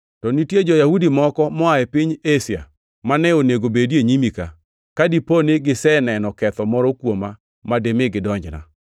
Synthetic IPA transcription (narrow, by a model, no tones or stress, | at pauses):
tɔnitjed͡ʒɔjahudimɔkɔmɔaɛpɪɲesja̰ | manɛoneɡobedieɲimika̰ | kadiponeɡɪsɛnɛnɔkɛt̪ɔmɔɾɔkwoma | mademɪɡɪdɔɲd͡ʒna̰